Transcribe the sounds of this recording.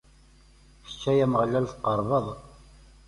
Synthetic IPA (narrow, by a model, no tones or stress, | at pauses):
ʃə̥t͡ʃːæjæməʁlælθqɑɾˤvəðˤ